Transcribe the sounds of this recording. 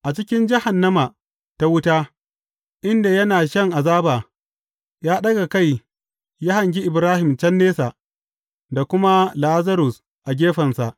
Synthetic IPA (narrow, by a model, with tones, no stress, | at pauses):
ʔa˨t͡ʃɪ˦kʲɪ˦nd͡ʒɪ˦ha˨nːɐ˦ma˨ | ta˦wʊ˦taː˦ | ʔɪ˦nda˨jɐ˦naː˨ʃɐ˦˨ŋʔa˨zaː˦baː˨ | jaː˦ɗɐ˦ɡa˨ka˦˨j | ja˦ha˨ŋɡʲi˦ʔɪ˨bɾaː˦hɪ˨mt͡ʃɐ˦nːeː˦sa˨ | da˨kʷʊ˦ma˦la˦ʔzɐ˦ɾʊ˨s | ʔa˨ɡʲeː˦ɸɐ˨nsa˨ʔ